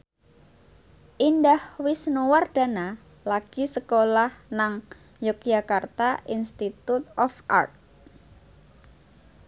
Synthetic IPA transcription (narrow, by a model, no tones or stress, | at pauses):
ʔindahwɪsnuward̥a̤na | laɡ̥isəkolahnaŋ | jɔk̚d͡ʒʒ̥akart̪aʔinst̪it̪ut̪̚ɔfʔa̰rt̪̚